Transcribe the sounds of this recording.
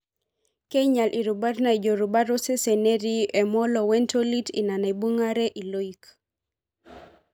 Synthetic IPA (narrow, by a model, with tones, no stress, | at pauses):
ke˦ɲa˨lʔi˨ɾuba˦ɾna˨i˨d͡ʒo˨ɾu˨baɾo˦se˦se˨ne˦ɾi˦e˨mɔ˦lɔwɛ˦nto˦li˦tina˨na˨i˨bu˦ŋa˦ɾe˦ʔi˨lo˦ik